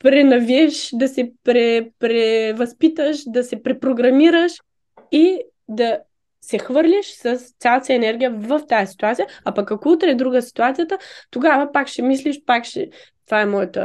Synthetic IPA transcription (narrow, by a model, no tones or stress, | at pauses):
pɾɛnɐviɛʃd̪ɐsɛpɾɛpɾɛvɐspit̪əʃd̪ɐsɛpɾɛpɾoɡɾɐmiɾəʃ | i | d̪ɐ | sɛxvɤɾlʲiʃsɐst̪sʲjalˠt̪sɐɛnɛɾɡʲijəvɐft̪ajɐsi̥t̪uat̪sijəapɐkɐkout̪ɾɛd̪ɾuɡəsi̥t̪uat̪sijət̪ət̪oɡavɐpakʃɛmisliʃpakʃɛ̰t̪vaɛmɔjət̪ə̰